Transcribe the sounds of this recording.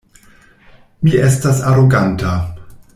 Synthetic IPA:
miʔestasaɾoɡanta

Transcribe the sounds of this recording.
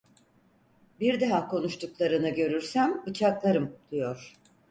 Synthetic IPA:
biɾd̪aɦakʰo̞nuʃt̪ʰuklˠaɾɯnɯɟø̞ɾyɾsæmbɯt͡ʃʰaklˠaɾɯmd̪̥ijo̞ɾ̥

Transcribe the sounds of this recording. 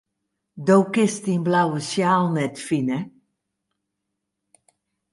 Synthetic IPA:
dowkɪstinblawəsjaːlˠnɛtfinə

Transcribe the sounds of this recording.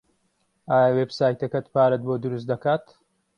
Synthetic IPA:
ʔaːjawebsaːjt̪ɐkɐt̪paːɾɐt̪̚boːd̪uɾus̬t̪d̪ɐkaːt̪

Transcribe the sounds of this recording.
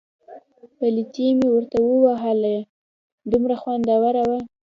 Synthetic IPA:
pəlit̪emewəɾt̪awəwaɦalaj | d̪umɾaxwand̪ɑwaɾawa

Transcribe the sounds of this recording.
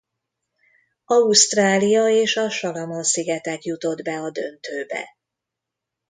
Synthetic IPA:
ɒust̪raːlijɒeːʃɒʃɒlɒmonsiɡɛt̪ɛkjut̪o̞d̪bɛɒd̪ø̞nt̪øːbɛ̰

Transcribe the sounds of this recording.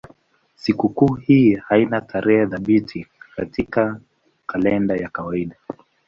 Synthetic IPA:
sikukuːhiːhainatʰaɾʔɛhɛðaɓitʰikatika | kʰalɛndajakawaiɗa

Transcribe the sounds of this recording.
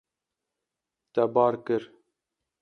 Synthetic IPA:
t̪ɛbɑːɾkɨɾ

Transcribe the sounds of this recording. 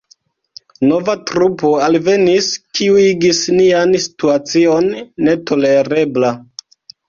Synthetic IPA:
no̞vatɾupo̞alve̞niskiuiɡisniansi̥tuat͡sio̞nːe̞to̞le̞ɾe̞bla

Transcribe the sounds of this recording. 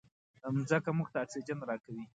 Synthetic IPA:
əmzakamʊɡ̚t̪at͡sed͡ʒanɾɑkawi

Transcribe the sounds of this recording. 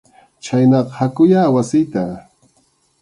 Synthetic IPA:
t͡ʃajnɑqɑhakʊjaːwasɪjt̪a

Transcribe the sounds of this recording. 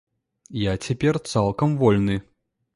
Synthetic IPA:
jat͡sʲapʲɛrt̪salˠkɐmvɔlʲnɨ

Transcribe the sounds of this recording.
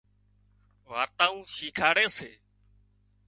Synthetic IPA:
ʋaːt̪aːũːʃiːkʰaːɽeːseː

